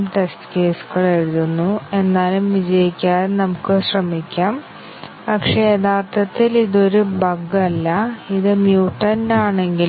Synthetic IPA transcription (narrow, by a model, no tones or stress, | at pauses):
mʈe̞sʈɨ̥ke̞ːsu̥ɣɐɭeɻuðunːue̞nːaːlumʋid͡ʑɐjikʲːaːɾnɐmukːɨɕrɐmikʲːaːm | pɐkʂed̪aːt̪ːɐt̪ːiliðo̞ɾubʱɐɡɐlːɐiðɨmjuːʈːɐndaːɳe̞ŋɡil